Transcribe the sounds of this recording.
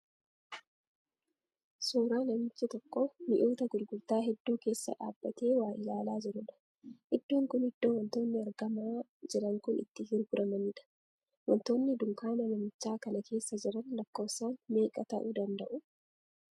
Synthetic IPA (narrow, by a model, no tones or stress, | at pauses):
suːɾaːnɐmɪt͡ʃːɪt̪ɔkːomɪʔoːt̪ɐɡʊɾɡʊɾt̪aːɦɛd̪ːuːke̞ːsːɐ̰ᶑa̰ːbːɐt̪e̞ːwaːjɪlaːlaːd͡ʒɪɾʊᶑɐ̥ | ʔɪd̪ːoːŋkʊnhɪd̪ːoːwɐnt̪o̞ːnːɪɐɾɡɐmaː | d͡ʒɛᶑɐŋkʊnɪ̰t̪ːɪhɪɾɡʊɾʔɐmɐniᶑɐ̥ | wɔnt̪o̞ːnːɪd̪ʊŋkaːnɐnɐmɪt͡ʃːaːkɐnɐkʰe̞ːsːɐd͡ʒɪɾɐnlɐkːoːsaːnme̞ːkʼɐt̪ɐ̰ʔuːd̪ɐnd̪ɐʔʊ